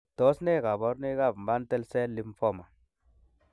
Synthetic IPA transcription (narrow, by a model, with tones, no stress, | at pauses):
tɔ˨˦sne˦˨ka˨bɔ˨˦ɾne˦ka˦˨bm˨ba˦n˦tɛ˦lsɛ˦li˦mfɔ˦˨ma˨